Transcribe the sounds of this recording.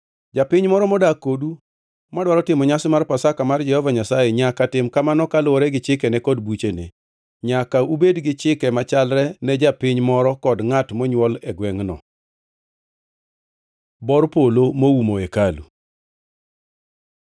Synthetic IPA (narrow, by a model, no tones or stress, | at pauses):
d͡ʒapɪɲmɔɾɔmɔdakodu | madwaɾɔtɪmɔɲasɪmarpasakamard͡ʒɛhɔvaɲasajɛɲakatɪmkamanɔkalɔɾɛɡɪt͡ʃɪkɛnɛkɔdbut͡ʃenḛ | ɲakaubedɡɪt͡ʃɪkɛmat͡ʃalɾɛnɛd͡ʒapɪɲmɔɾɔkɔdŋatmɔɲwɔlɛɡwɛŋnɔ̰ | bɔrpolomowumoekalṵ